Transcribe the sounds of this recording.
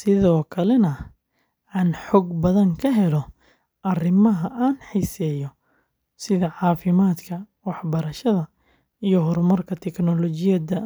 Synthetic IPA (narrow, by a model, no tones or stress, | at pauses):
sɪðɔːkʰɐlɛnɐ | aːnħɔːɡbɐðɐŋkʰɐɦɛlɔ | ʔɐrɪmɐɦɐʔaːnħiːsɛːjɔ | sɪðɐʕɑːfɪmaːd̪kʰɐwɑħbɐɾɐʃɐðɐ | ijɔɦɔɾmɐrkʰɐt̪ʰɛknɔlɔt͡ʃɪjɐd̪ɐ